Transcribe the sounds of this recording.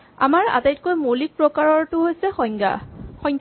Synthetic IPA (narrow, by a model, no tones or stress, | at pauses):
a̰maɹa̰tajt̚kojmolik̚pɹɔkaɹɔɹtʊɦojsɛxɔŋɡa̰xɔjŋkʰ